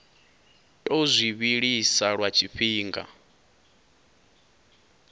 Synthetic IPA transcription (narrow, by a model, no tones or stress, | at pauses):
tʼɔzʷiβiɺisaɺwat͡ʃʰiɸiːŋɡa̰